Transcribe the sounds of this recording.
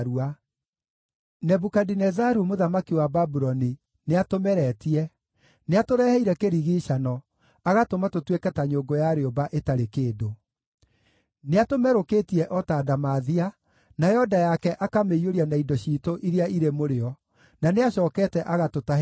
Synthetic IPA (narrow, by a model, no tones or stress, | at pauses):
ɾua | nɛbukadinɛzaɾumoðamakiwababuɾɔni | neatomɛɾɛtiɛ | neatoɾɛhɛiɾɛkeɾiɣiːʃanɔ | aɣatomatotwekɛtaɲoːɡojaɾeobaʔetaɾekeːdo | neatomɛɾokeːtiɛʔɔtaːdamaðia | najɔdajakɛʔakameioɾianaidɔɕiːtoʔiɾeaiɾemoɾeɔ | naneaɕɔːkɛtɛʔaɣatota